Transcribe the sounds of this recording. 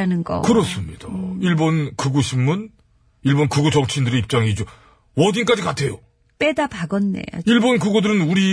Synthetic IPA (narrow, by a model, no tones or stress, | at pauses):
anɯnɡʌ̰kɯɾʌs͈ɯmɲid̥aiɭbonkuɡuɕʰimːun | iɭbonkuɡud͡ʑʌŋt͡ɕʰindɯɾeip̚t͡ɕ͈aŋid͡ʑo | wʌdink͈ad͡ʑikatʰe̞jo | p͈edapaɡʌnːḛiɭbonkuɡodɯɾɯnuɾi